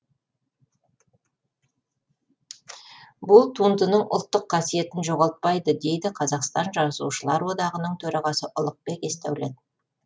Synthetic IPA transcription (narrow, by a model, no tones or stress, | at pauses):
bʊlˠt̪ʰund̪ənəɴʔʊlˠt̪ːəqʰːɑsije̞t̪ɪnʒo̞ʁɑlˠt̪̚pɑjd̪əd̪e̞jd̪ɪqʰɑzɑqst̪ɑnʒɑsuʃəlˠɑɾwo̞d̪ɑʁənəɴt̪ʰɵɾɑʁɑsəʔʊlˠəq̚pe̞ke̞st̪æ̰wled̪ɪ